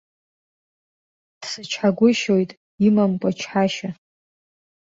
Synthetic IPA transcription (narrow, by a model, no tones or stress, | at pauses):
d̥sɨt͡ʃʰħaɡʷʊʃojtʼ | imamkʷʼat͡ʃʰħaʃa